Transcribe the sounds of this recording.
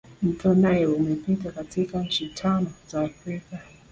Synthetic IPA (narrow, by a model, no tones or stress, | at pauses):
m̩tʰɔnajɛumɛpitakatikaɲ̩t͡ʃitʰanɔzaːfɾika